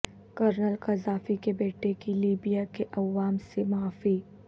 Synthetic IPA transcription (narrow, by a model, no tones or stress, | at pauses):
kɐɾnəlkɐzaːfikebeːʈʰekiliːbijakeʔɐʋaːmsemaːfi